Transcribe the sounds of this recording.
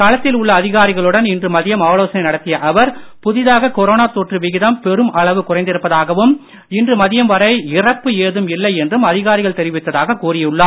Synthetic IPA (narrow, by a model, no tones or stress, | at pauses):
kaːlɐt̪ːɪlʊɭːɐːðɪɣaːɾɪɣɐɭɯɽɐnɪndrɯmɐðɪjɐmaːloːsɐnɐɪnɐɽɐt̪ːɪjɐʔɐʋɐɾpʊðɪðaːɣɐkɔɾoːnaːt̪oːʈrɯʋɪɣɪðɐmpɛɾɯmʔɐɭɐʋɯkʊrɐɪnd̪ɪɾɯpːɐðaːɣɐʋɯm | ɪndrɯmɐðɪjɐmʋɐɾɐɪɪrɐpːɯeːðɯmɪlːɐɪɛndrɯmɐðɪɣaːɾɪɣɐɭt̪ɛɾɪʋɪt̪ːɐðaːɣɐkuːrɪjɯɭːaː